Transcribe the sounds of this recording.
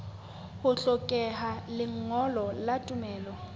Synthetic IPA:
hʊɬɔkʼɛɦalɪŋ̩ɔlɔlatʼʊmɛːlɔ

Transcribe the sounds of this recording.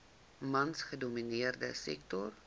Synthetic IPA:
mɐnsχəduminiərdə̰sɛ̰k̚tɔr

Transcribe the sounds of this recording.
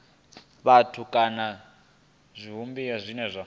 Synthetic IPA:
βatʰukʼana | zʷiɦumbiazʷinɛzʷa

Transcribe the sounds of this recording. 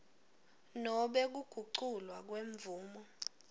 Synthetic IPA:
nɔɓɛk̬uɡ̥ʱuǃǀulwak̬weɱvuːmɔ

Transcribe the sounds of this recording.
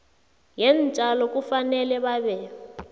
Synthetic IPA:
jɛnt͡ʃʼalɔkʼufanɛlɛβaβɛ

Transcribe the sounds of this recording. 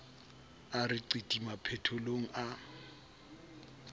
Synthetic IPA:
arɪǀitʼimapʰɛtʰʊloŋ̩ʔa

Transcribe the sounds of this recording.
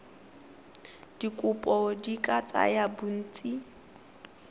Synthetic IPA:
d̥ikʼʊpʼɔdikʼat͡sʼa̰jabun̩ːt͡sʼi

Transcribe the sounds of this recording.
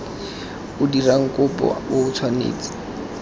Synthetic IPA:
ʊdiraŋ̩kʊpɔ̰oʊt͡sʰwanḛːt͡si̥

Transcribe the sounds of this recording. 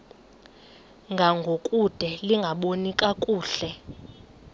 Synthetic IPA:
ŋɡʱaŋɡʱokʼud̥ʱɛliŋɡʱaɓonikʼakʼuːɬɛ

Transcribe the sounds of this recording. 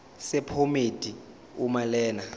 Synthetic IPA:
sɛpʰomed̥ʱʼi | umalɛːna

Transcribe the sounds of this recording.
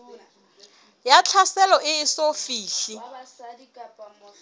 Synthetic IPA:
jat͡ɬʰasɛlɔʔɪɪsofiːɬi

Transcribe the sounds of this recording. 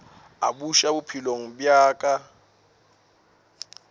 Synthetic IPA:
a̰buʃabʊpʰiloŋ̩bjaːkʼa

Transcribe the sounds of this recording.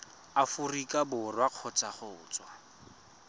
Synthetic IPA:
afurikʼabʊrwaq͡χʰɔt͡sʼaχʊːt͡sʼwa

